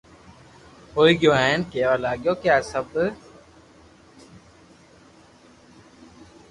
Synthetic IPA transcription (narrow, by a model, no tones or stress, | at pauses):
ɦoːiːɡɪjõːaːɪnkeːʋaːlaːɠjõːkjaːsəb